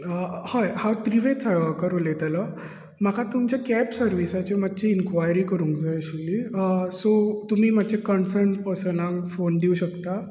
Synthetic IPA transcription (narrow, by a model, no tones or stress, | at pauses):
əhajhat̪ɾiʋet͡sajakəɾolet̪alə | makʰat̪umt͡ɕjakɛpsəɾʋisat͡ɕemat̪ːt͡ɕiinkʋajɾiːkəɾuːŋkd͡zajɛɕulisot̪um̤iːmat͡ɕekənsəɾɳʈpəɾsənafond̪iuɕəkt̪a